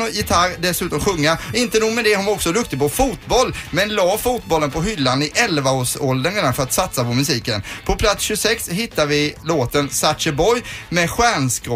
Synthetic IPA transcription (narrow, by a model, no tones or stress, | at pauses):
ɔjɪt̪ʰaɾd̪ɛsʉ̟ːt̪ɔmɧɵŋːaɪnt̪ənuːɡmɛd̪ɛhʊnvaɔksɔd̪ɵk̚t̪ɪɡpɔfuːt̪bɔlːmɛnlɑːfuːt̪̚bɔlːənpʰɔɦʏlːanɪʔɛlvaoːʂɔld̪ənɾeːd̪anfœɾat̪sat̪sapɔmɵsiːkənpʰɔpʰlat̪sɕɵsɛksɦɪt̪ːavɪloːt̪ənsat̪ʂəbɔjmɛɧæːɳskɾɔ